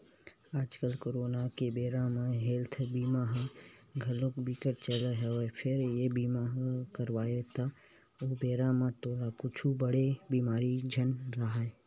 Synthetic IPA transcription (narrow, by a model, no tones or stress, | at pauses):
aːd͡ʒkəlkoːɾoːnakebeːɾãmãɦeːlt̪ʰbiːmaɦɡʱɐlokbikəɾt͡ʃələɦepʰɪɾjebiːmaɦkəɾʋaːjet̪a | oːbeːɾamãt̪oːlakʊt͡ʃʰubəɽebiːmaːɾid͡ʒʱɐnɾaɦa